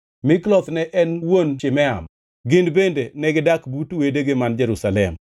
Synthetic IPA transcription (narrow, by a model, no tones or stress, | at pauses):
mɪklɔt̪nɛʔɛnwont͡ʃɪmɛa̰m | ɡɪndbendenɛɡɪdakbutwedeɡɪmand͡ʒɛɾusalɛm